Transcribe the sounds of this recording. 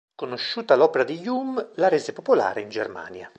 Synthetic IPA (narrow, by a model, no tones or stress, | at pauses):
konoʃːuːt̪alɔːpeɾad̪ijumlaɾeːzepopola̰ːɾeind͡ʒerma̰ːnja